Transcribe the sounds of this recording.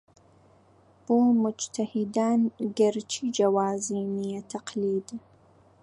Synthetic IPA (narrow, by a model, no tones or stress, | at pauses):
b̥oːmʊd͡ʒt̪ʰɐhid̪aːnɡɐɾt͡ʃʰiːd͡ʒɐwaːziːnijɛt̪ʰɐqliːd̪